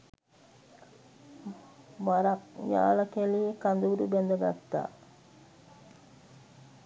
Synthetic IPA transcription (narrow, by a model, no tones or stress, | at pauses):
maɾak̚ja̰ːlakeliːkand̪uuɾubɛnd̪əɡa̰t̪ːa̰ː